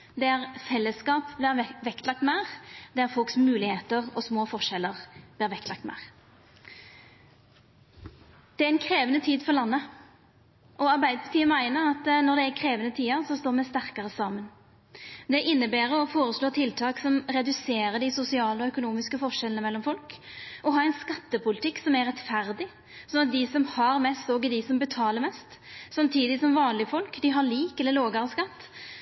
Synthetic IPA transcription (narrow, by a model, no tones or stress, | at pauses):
d̪ɛæʁfɛlːəskɑːpbliːʋɛkt̪lɑk̚t̪mæɪʁd̪ɛæɾfɔlksmʉːlɪheːt̪əʁɔsmoːfɔʂɛlːəʁbliːʁʋɛkt̪lɑk̚t̪mæ̰ːʁ | d̪̥ɛæɾɛnkʰɾeːʋənət̪ʰiːd̪fɔʁlɑnːə | ʔɔɑʁbæɪd̪əbət̪ʰiːəmæɪnəʁɑt̪nɔd̪ɛækʰʁeːʋənət̪ʰiːəʁsɔst̪oːʁmɛst̪æʁkɑʁəsɑːmən | d̪ɛʔɪnːəbæːɾəɔfoːɾəsloːt̪ʰɪlt̪ʰɑːksɔmɾɛd̪ʉseːɾəd̪ɪsʊsɪɑːləɔœkʊnuːmɪskəfɔʂɛlənəmɛlːɔmfɔlk | ɔɦɑːɛɪnskɑt̪ːəpʊlɪt̪ʰɪkːsɔmæɾɛt̪fæɾd̪ɪ | sɔnɑt̪̚d̪ɪsɔmhɑɾmɛst̪oːɡəd̪ɪsɔmbət̪ʰɑːləɾmɛst̪sɑmt̪ʰiːd̪ɪsɔmʋɑːnlɪfɔlkd̪ɪɦɑliːkɛlːəloːɡɑɾəskɑt̪ː